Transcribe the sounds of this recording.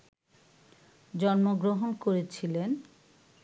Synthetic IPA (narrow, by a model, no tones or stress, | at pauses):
d͡ʑɔnmoɡɾoɦonkoɾet͡ɕʰilen